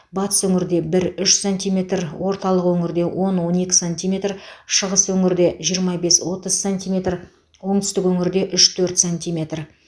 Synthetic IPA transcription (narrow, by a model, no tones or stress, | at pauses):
bɑt̪ə̥swɵŋɪɾd̪e̞bɪɾʏʃsonʲt̪ijme̞t̪rwo̞ɾt̪ɑlˠəqwɵŋɪɾd̪e̞wo̞nwo̞ne̞kʲɪ̥sonʲt̪ijmʲe̞t̪rʃəʁəswɵŋɪɾd̪e̞ʒijəɾmɑbe̞swo̞t̪əzsont̪imʲe̞t̪r | wo̞ɴt̪ʏ̥st̪ɪkwɵŋɪɾd̪e̞ʔʏʃt̪ʰɵɾt̪sonʲt̪ʲijmʲe̞t̪r